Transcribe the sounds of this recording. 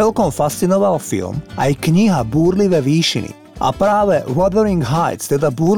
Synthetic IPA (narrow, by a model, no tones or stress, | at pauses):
ɛlkɔmfast̪sinɔʋalfḭlmajkɲiɦabuːɾliʋɛʋiːʃḭnḭ | ʔa̰pɾaːʋɛʋɔd̪ɛɾiŋɡɦajt̪st̪ɛd̪abuːɾl